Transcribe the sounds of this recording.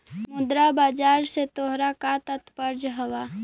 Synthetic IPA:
mʊd̪ɾabaːd͡ʒaːɾset̪oːɦɾakat̪ɐt̪pəɾd͡ʒɦəwaː

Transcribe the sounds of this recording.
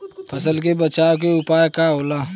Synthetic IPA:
pʰəsəlk̬ebət͡ʃaːok̬eʊpaːjkaɦoːlaː

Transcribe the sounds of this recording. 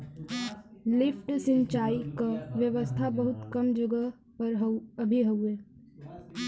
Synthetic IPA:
lɪpʈsɪ̃ɲt͡ʃaːikaʋjəʋəst̪ʰabɐɦʊt̪kɐmd͡ʒʊɡə | pəɾɦɐbʱiɦɐuɛː

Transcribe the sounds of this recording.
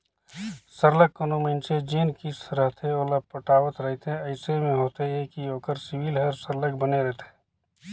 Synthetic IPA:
səɾləkːənomə̃nt͡ʃed͡ʒeːnkisɾəɦt̪ʰeoːləpəʈaːwət̪ɾəɦt̪ẽɐɪsemẽɦoːt̪eɦẽkioːkəɾsɪwilɦəɾsəɾlək̚bəneɾɛɦt̪ʰe̥

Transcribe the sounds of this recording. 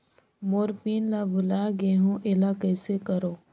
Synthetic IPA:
moːɾpiːnlabʱʊlaɡeːɦõʔelaːkəsekəɾoː

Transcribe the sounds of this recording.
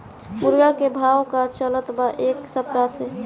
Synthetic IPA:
ʊɾɡakebʱaːwkat͡ʃələt̪baʔeːksəp̚t̪ase

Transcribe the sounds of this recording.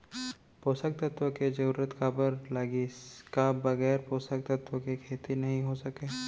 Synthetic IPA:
poːsək̚t̪ət̪wəked͡ʒɐɾuːɾət̪kaːbəɾlaːɡiskabɐɣɛːɾpoːsək̚t̪ɐt̪wəkekʰeːt̪inɐɦĩɦosɐkeː

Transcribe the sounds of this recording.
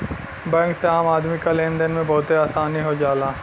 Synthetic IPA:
bɛ̃ːŋkseaːmaːd̪mikalẽːnd̪ənmẽbɐɦʊt̪ɦeaːsaːniɦod͡ʒaːlaː

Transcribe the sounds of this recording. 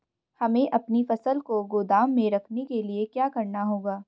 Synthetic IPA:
hɐmẽʔɐpnifɐsəlkoɡoːd̪aːmːẽɾɐkʰnekeliekjaːkɐɾnaɦoːɡaː

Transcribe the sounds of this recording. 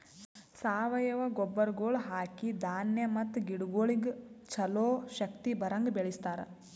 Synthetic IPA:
saːʋɐjɐʋɐɡɔbːɐɾɡoːɭɦaːkid̪aːnjɐmɐt̪ːɡiɽɡoːɭiɡt͡ʃɐloːʃɐkt̪ibɐɾɐŋɡbeɭist̪aːɾɐ̰

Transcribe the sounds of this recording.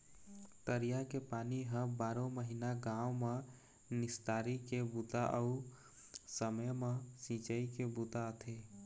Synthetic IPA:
t̪əɾijakepaːniɦəbaːɾõməɦinaɡãːwme | nɪst̪aːɾikebut̪aʔəu | səməjmə̃sĩːt͡ʃəikebut̪aət̪ʰe

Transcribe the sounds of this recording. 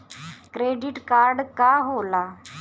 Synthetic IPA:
kɾeɖiʈkaɾɖkaɦola

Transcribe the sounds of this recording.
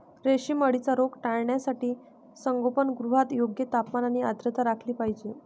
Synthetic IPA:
ɾeɕiːməɽit͡saɾokʈaɭɳjasaʈiː | səŋɡopənɡɾuɦat̪joɡjət̪apmanañiad̪ɾət̪aɾakʰliːpaɦid͡ʑiː

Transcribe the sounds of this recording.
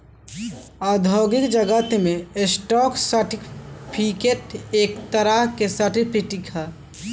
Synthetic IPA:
aːd̪ʱoːɡɪkd͡ʒəɡət̪mẽesʈɔːksəʈipʰikeʈ̪eːkt̪əɾaɦkesəʈipʰiʈikʰa

